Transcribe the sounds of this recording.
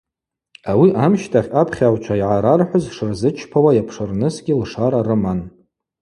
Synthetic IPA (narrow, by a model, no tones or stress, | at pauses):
awiʔamʃtʰaχʲapʰχʲawt͡ʃʷʰaiʕaɾarħʷʊzʂɨrzɨt͡ʃʰpʰawajapʰʂɨrnɨsɡʲɪlʂaɾarɨman